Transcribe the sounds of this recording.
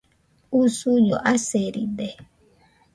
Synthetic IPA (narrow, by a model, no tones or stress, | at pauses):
usujoʔaseɾḭde